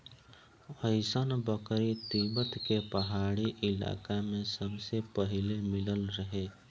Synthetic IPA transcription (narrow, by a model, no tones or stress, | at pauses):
əɪsənbəkɾit̪ibət̪kepɐɦaːɽiʔɪla̰ːkamẽsəbsepɐɦɪlemɪləlɾəɦeː